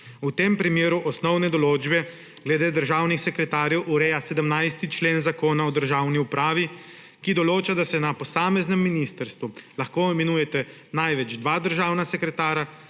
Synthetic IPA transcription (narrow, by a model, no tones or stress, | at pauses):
ut̪eːmpɾimjeːɾuʔɔsnɔwnɛd̪ɔloːd͡ʒbɛ | ɡlɛd̪eːd̪əɾʒaːwnixsɛkɾɛt̪aːɾjɛwʔuɾɛjasɛd̪əmnajst̪it͡ʃleːnzakoːnaɔd̪əɾʒaːwniupɾaːʋi | kid̪ɔloːt͡ʃad̪asɛnapɔsaːmɛznɛmːinist̪əɾst̪ʋulaxkoːimɛnuːjɛt̪ɛ | najʋɛd͡ʒd̪ʋaːd̪əɾʒaːwnasɛkɾɛt̪aːɾa